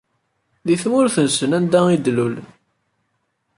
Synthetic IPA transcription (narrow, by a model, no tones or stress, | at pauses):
ðiθmʊɾθənsənænd̪æid̪lul